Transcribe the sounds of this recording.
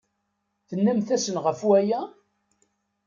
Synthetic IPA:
θənːæmθæsənʁəfwæjæ

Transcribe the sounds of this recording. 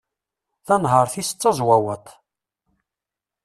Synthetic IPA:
θænɦəɾˤθist͡sːɑzˤwæwət̪ˤ

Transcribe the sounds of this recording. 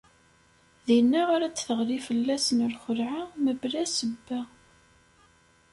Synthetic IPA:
ðinːaʁaɾæt͡sːθəʁɾifəlːæsənəlχəlʕaməblæsəbːæ

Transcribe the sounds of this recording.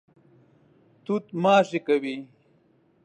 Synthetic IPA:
t̪ut̪maːʂikɐwi

